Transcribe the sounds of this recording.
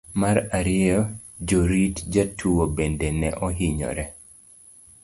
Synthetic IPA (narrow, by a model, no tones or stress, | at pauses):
maɾaɾɪɔ | d͡ʒoɾitd͡ʒatʰuwobendɛnɛ̰ʔɔɦiɲɔ̰ɾɛ